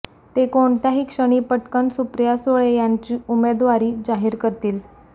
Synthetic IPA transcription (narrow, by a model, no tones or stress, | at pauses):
t̪ekoɳt̪jaɦiːkʂəɽ̃iːpəʈkənsupɾjasoɭejaɲt͡ɕiːumed̪ʋaɾiːd͡zaɦiːɾkəɾt̪iːl